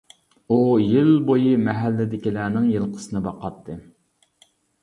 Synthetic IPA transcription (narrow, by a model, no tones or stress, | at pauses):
ujilbojɨmɛɦælːɪd̪ɪkʲilæːnɪŋjɨlˠqʰə̥sɨnɨbɑqɑt̪ʰːɨ